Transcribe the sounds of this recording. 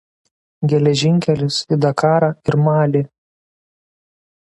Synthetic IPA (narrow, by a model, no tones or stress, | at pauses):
ɡʲɛlʲɛʒʲɪŋʲkʲɛlʲɪsid̪ɐkɑːɾɑɪɾmɑːlʲeː